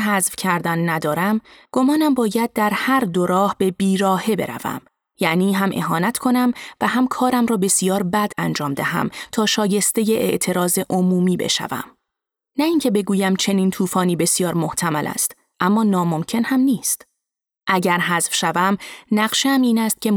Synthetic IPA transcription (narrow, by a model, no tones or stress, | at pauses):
ɦæzvcʰæɾd̪ænːæd̪ɒːɾæmɡ̥omɒːnæmbɒːjæd̪̚d̪æɾhæɾd̪oɾɒːhb̥e̞biːɾɒːhe̞be̞̰ɾæ̰væ̰m | jæʔniːɦæmʔe̞̰ɦɒːnæt̪ʰkʰo̞næmvæhæmkʰɒːɾæmrɒːbe̞sijɒːɾbæd̪ænd͡ʒɒːmd̪æ̰ɦæ̰mt̪ʰɒːʃɒːje̞st̪e̞je̞ʔḛʔt̪ʰe̞ɾɒːze̞ʔo̞muːmiːbe̞̰ʃæ̰væ̰m | næiːŋcʰe̞be̞ɡuːjæmt͡ʃʰe̞niːnt̪ʰuːfɒːniːbe̞sijɒːɾmo̞ht̪ʰæmælʔæ̰st̪ | ʔæmːɒːnɒːmo̞mcʰe̞nhæmniːst̪ | ʔæɟæɾɦæzfʃævæmnæɢʃeæmiːnæst̪̚cʰe̞